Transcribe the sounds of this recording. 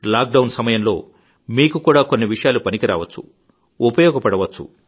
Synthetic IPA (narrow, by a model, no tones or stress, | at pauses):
laːk̚ɖɐwnsɐmɐjɐmlo̞̰ː | miːkukuːɽaːko̞nːiʋiʂɐjaːlupɐnikiɾa̰ːʋɐt͡ʃːṵ | upɐjɔːɡɐpɐɽɐʋɐt͡ʃːṵ